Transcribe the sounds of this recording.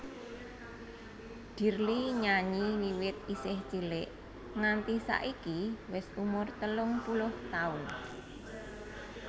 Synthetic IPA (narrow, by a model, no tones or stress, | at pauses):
d̪̥i̤rliɲaɲiliwɪt̪̚isɪht͡ʃilɪʔ | ŋant̪isa̰ʔikiwɪsumʊrt̪əlʊŋpulʊht̪aʊn